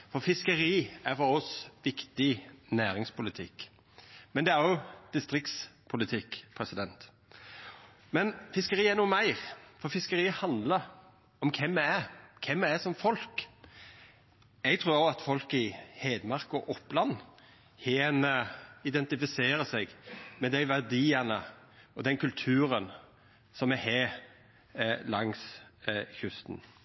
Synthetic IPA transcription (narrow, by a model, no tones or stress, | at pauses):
fɔfɪskəɾiːæɾfɔɾɔsʋɪkt̪ɪnæːɾɪŋspʰʊlɪt̪ʰɪkː | mɛnd̪ɛæɾjʊd̪̥ɪst̪ɾɪkt̪spʰʊlɪt̪ʰɪkːpʰɾɛsɪd̪ɛnt̪ | mɛnfɪskəɾiːæɾnuːəmæɪɾfɔɾfɪskəɾiːəhɑnd̪lə | ɔmkʰɛmːɛækʰɛmːɛæsɔmfɔlk | ɛɡt̪ʰɾuːɾoːɑt̪fɔlkɪheːd̪mɑʁkɔʔɔpːlɑnː | heːnəɪd̪ɛnt̪ɪfɪseːɾəsɛɡmɛd̪æɪʋæʁd̪iːənəɔd̪ɛnkʰʉlt̪ʰʉːɾən | sɔmɛɦeː | lɑŋs | çʉst̪n